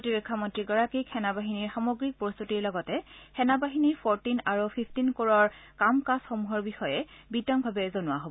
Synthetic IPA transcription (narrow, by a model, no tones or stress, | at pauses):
potibekʰːamɔntɹiɡɔɹakikʰːɛnabaɦiniɹxamoɡɹik̚pɹostutiɹlɔɡɔtɛxɛnabaɦiniɹpʰɔɹtinaɹupʰipʰtinkoɹɔɹkamkasxomuɦɔɹbixɔjɛbitɔŋbʱabɛzonʊwaɦobɔ